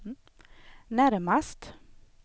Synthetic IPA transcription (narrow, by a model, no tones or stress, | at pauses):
næɾmast̪